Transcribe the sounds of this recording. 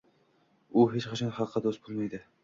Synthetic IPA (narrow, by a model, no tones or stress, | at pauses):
ʊɦet͡ʃqʰɑt͡ʃʰɑŋχɑqʰːɑd̪ost̪bolˠmajd̪ɪ